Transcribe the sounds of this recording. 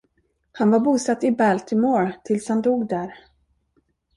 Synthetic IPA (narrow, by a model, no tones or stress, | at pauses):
hanvaɾbuːsat̪ːɪbælt̪ʰɪmoːɾt̪ʰɪlshand̪uːɡd̪æɾ